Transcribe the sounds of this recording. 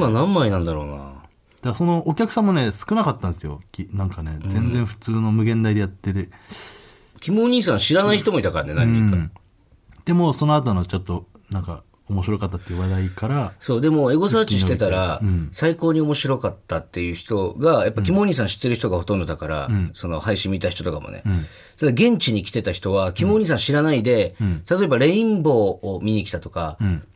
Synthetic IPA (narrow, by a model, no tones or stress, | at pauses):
manãmːainãnd̪aɾo̞̰ːna̰ | d̪̥aso̞no̞ʔːkʲakɯ̟̥sãmːone̞sɨ̥kɯ̟nakat̪ːãnd̪sɨjo̞̰kʲinãŋkane̞d͡zẽ̞nd͡zẽɸɯ̟̥t͡sɨːno̞mɯ̟ɡẽ̞nd̪aid̪e̞jat̪ːe̞ɾɯ | kʲimoːɲ̟iːsãɰ̃ɕiɾanaiçit̪o̞mo̞it̪akaɾanenã̰ɲĩŋka | d̪̥e̞mo̞so̞noat̪onot͡ɕot̪ːo̞ | nãŋka̰ | omo̞ɕiɾo̞kat̪ːat̪ːeiɯ̟βad̪aikaɾaso̞ːd̪e̞mo̞e̞ɡo̞saːt͡ɕiɕit̪e̞t̪aɾasaiko̞ːɲ̟io̞mo̞ɕiɾo̞kat̪ːat̪ːe̞jɯ̟ːçi̥t̪o̞ɡajapːakʲimoːɲ̟iːs̬ãɕi̥t̪ːeɾɯ̟çi̥t̪o̞ɡaho̞t̪õ̞nd̪o̞d̪akaɾa̰so̞no̞̰haiɕĩmʲːit̪açi̥t̪o̞t̪o̞ka̰mo̰ne̞̰ | t̪ad̪aɡẽ̞ɲ̟t͡ɕiɲ̟ikʲi̥t̪e̞t̪açi̥t̪o̞βakʲimo̞ːɲ̟iːs̬ãɕiɾanaid̪e̞t̪at̪o̞e̞baɾe̞ĩmbo̞ːmʲiɲ̟ikʲt̪at̪o̞ka